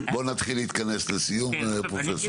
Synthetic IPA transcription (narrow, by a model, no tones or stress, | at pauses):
bo̞nat̪χilːiːt̪kaneslesijumepʁofes